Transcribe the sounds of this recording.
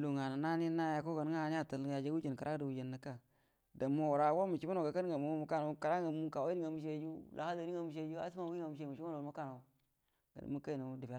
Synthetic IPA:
lu˨ŋa˨na˨na˦ni˦na˦ja˨ko˦ɡa˨n˦a˦˨n˦a˦˨ta˨lja˨d͡ʒa˦u˦d͡ʒe˨n˨ka˨ɾʔa˦da˨wu˨d͡ʒe˨nːa˨ka˦ | da˨mːo˦wu˨ɾa˨˦wo˦mu˨t͡ʃi˦ma˦no˨ɡa˨ka˦n˦ɡa˨mu˦mu˨ka˦˨na˨˦ka˨ɾa˦ɡa˨mu˦ka˨wŋa˨mu˦ʃe˦d͡ʒu˦lʔa̰˨ha˦da˨ni˦ŋa˨mu˨ʃ̬e˦d͡ʒu˦a̰˦si˦ma˦wu˦a˨mu˨ʃ̬e˦˨mu˨t͡ʃi˦ma˦n˨mu˦ka˦˨na˨˦ | ɡ̥a̰˨n̰˨mu˦ka˦i˨na˨˦di˨fe˨˦

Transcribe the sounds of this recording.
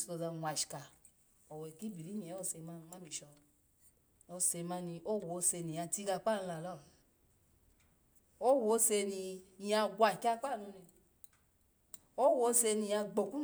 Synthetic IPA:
so˧za˧˨wʷa˨ʃi̥˨ka˨ | ɔ˨we˨ki˦bi˨ɾi˦ni˨e˨˦o˧se˧˨ma˧˦ma˦bi˨ʃɔ˧ | o˧se˧ma˧ni˧ʔo˦˨wo˨˦se˧ni˨a˧ti˧ɡa˧k͡pa˦˨n˧la˨lɔ˦˨ | o˦wo˧˦se˧ni˧˨ja˧ɡʷa˨kʲa˧k͡pa˦˨nu˧nɛ˧ | o˦wo˨˦se˧ni˧ja˧ɡ͡bo˨ku˦

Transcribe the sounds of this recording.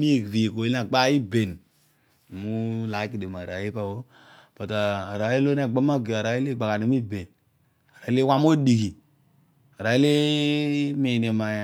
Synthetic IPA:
mi˦˨vi˨ko˨i˦a˨ɡ͡ba˦i˦be˨n˨ | mu˦la˨˦ki˨de˨ma˨ɾa̰˨˦ji˦pa˦˨wo˦ | pa˨ta˨a˨ɾa˨˦i˦lo˦n˦a˦˨ɡ͡ba˦ma˦˨ɡe˨a˨ɾa˨˦i˦le˦˨ɡ͡ba˨ka˨ne˨˦mi˦be˨n | a˨ɾa˨i˦li˦wa˦m˦o˦di˨ki˨ | a˨ɾa˨i˦le˦ | me˨ne˨ma˨j

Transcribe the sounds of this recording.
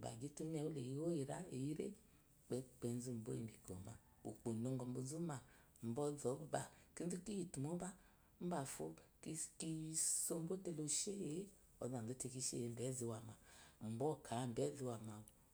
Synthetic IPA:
ba̰˨ɡi˨˦tu˦m˦ɛ˧˨wu˦le˨ji˦wo˦ji˨ɾa˦e˨ji˦ɾḛ˦˨ | k͡pɛ˦k͡pɛ˧n˦zu˦m̩˨bo̰˦i˨ni˨ɡɔ̰˨ma̰˨ | o˨k͡po˨no˧ŋ˦ɡɔ˨m̩˨bo˨zu˦ma˨ | m̩˨bɔ˦zɔ˨˦ba˨ki˦n̩˦zu˦ki˦ji˨tu˨mo˦ba˦ | m̩˦ba˨fo˦ki˦ki˦so˧m̩˦bo˦te˧lo˨ʃe˦je˨˦ | ɔ̰˨za˨n˨o˦te˧ki˧ʃḛ˦je˨m̩˨bɛ˨˦zi˧˦wa˨ma˨m̩˨bɔ˦˨kʰa˨˦˨m̩˨bɛ˨˦zi˧˦wa˨ma˨o˨

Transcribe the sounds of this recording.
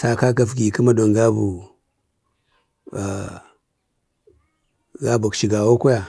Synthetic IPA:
sa˨ka˦k̬a˨fɡi˨kə˦ma˦do˨ŋɡa˦bu˨ | ɡa˦bu˨kʃi˨ɡa˨wo˦ko˦ja˨

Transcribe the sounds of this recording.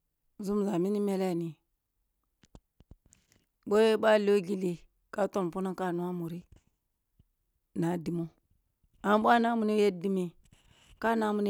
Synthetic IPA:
zu˦mza˨mi˦ni˦me˦le˦˨ni˨ | bo˦je˦ɓa˦lo˦ɡi˨li˨ | ka˦to˦˨m˨pu˦na˦ka˦˨nu˦a˦mu˨ɾi˦ | na˨di˨mo˦ | a˨˦ɓʷa˦na˦mu˨ne˦je˦di˦mi˨ | ka˦na˦mu˨n˦

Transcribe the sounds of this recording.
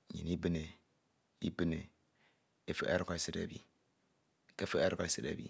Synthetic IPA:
ɲḭ˨ni˦bɨ˦ne˨ | i˦bɨ˦ne˨ | e˦fɨ˦ʔa˦ɾko˦˨sɨ˦ɾa̰˨bḭ˦ | ke˦fɨ˦e˦ɾko˨sɨ˦ɾa̰˨bḭ˨

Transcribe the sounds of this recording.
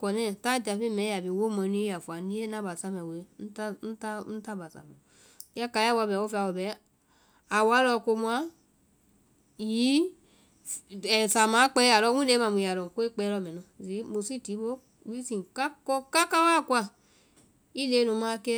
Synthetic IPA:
kɔ˨nɛ˦˨ta˦da˨fi˦˨mɛ˨˦ja˨bi˨wo˦mɔ˧˨ni˦ja˨fu˨a˨ni˦e˦na˦ba˨sa˦mɛ˨we˨˦n̩˦tn̩˦ta˦n̩˦ta˦ba˨sa̰˨mo˨˦ | a˦ka˧˨ja˦wa˧bɛ˨wo˦fi˧a˧wo˨bɛ˨˦ | a˨wa˨˦lɔ˧˨ko˧mu˧a˦ | ji˨˦ | ɛ˨sa˨mã˨˦k͡pɛ˧˦a˨lɔ˧˦ũ˦e˧˦ma˨m˨i˨ja˨lo˨ko˦e˦k͡pɛ˧˦lɔ˧˦˨mɛ˨nũ˨˧˨zi˨˦mo˨si˦˨ti˨˦bo˦ | wi˦si˨ka˦kɔ˦ka˦ka˦wa˦˨kʷa˧˨ | i˦le˨˧˦nũ˧˨˦mã˧kɛ˦

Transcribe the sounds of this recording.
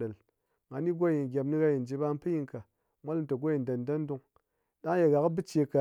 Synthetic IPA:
ɗə˨l | ŋa˨˦ni˦ɡo˦ji˨n˨ɡʲa˨bni˦ɣa˦ji˨n˨d͡ʒi˧ba˧˦m˦pɨ˦ji˧ŋka˨ | mʷa˦lto˨ɡʷo˦ji˨n˨da˨n˨da˦n˦du˧ŋ | ɗa˦ŋ˦je˨ɣa˨kbɨ˦t͡ʃe˧ka˨

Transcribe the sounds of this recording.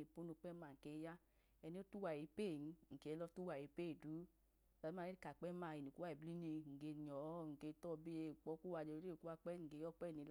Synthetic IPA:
i˨pu˦nu˧k͡pɛ˦ma˧˨ŋ̩˨ke˧˦ja˦ | ɛ˧ni˦o˦tu˦wa˨i˨˦pe˦˨n̩˧˦˨ŋ̩˨ke˨˦lɔ˧˦tu˦wa˨i˨˦pe˦˨du˨˦˨ | la˧˦i˦a˧˦e˦i˦ka˨k͡pɛ˦ma˧˨i˨ni˨ku˦a˧˨i˨bli˦ni˧ŋ̩˨ɡe˧ɲɔ˨˦ŋ̩˨ke˧˦tɔ˦˨˧bi˦e˧˨k͡pɔ˨˦ku˦wa˧˨d͡ʒe˧˨˦e˦˨ku˦wa˧k͡pɛ˦ŋ̩˨ɡe˧˦jɔ˦k͡pɛ˦˨ni˨˧˦l

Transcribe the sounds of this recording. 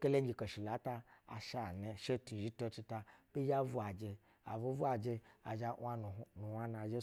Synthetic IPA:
ke˦le˦ɡʲi˨ko˨ʃi˨la˨˦ta˧a̰˨ʃa˨ne˧ʃe˦tu˨ʒi˦to˧t͡ʃi˧ta˧bi˦d͡ʒa˦vu˦a˨d͡ʒe˧ | a̰˨vu˦vu˦a˨d͡ʒe˧a˨ʒa˧˦a˦nu˨nu˨wʷa˦na˨d͡ʒe˦

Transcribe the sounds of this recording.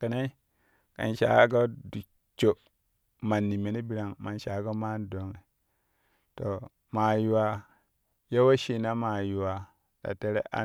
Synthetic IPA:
kə˨na˦ | ka̰˨nʃa̰˨˦ɡa˦du˨ | t͡ʃo˨ | ma˨nːi˨me˨ni˦bi˨ɾa˨ŋma˨nʃa˨˦ɡa˦ma˦n˦do˨˦ŋe˨ | to˨ | ma˨ju˨wa˨ | ja˦wa˦ʃi˨na˦ma˨ju˨wa˨ | da̰˨te˦ɾḛ˦ʔa̰˦

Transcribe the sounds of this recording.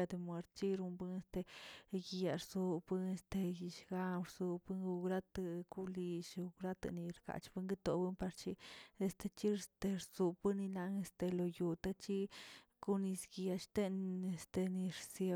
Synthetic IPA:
a˧d̪e˧˨mwe˧ɾt̪̚t͡ʃi˦ɾu˧mbɨ˦ŋe˧st̪e˧ɡja˧ɾzu˧bɨ˦ŋe˧st̪e˧ji˧ʃɡa˧mɾzu˧bɨ˦ŋɡu˧ɡɾa˦t̪ku˦li˧ʃu˧ɡɾa˦t̪a̰˧ni˧ɾka̰˨t͡ʃbɨ˦ŋɡi˦t̪o˧bɨ˦npa˧ɾt͡ʃi˦e˧st̪e˧t͡ʃi˦st̪e˧ɾzu˧bɨ˦ni˧la˧ŋe˧st̪e˧lo˨ju˧t̪a˦t͡ʃi˦ | ku˦ni˧sɡja˧ʃt̪e˦ne˧st̪e˧ni˧ɾsje˧

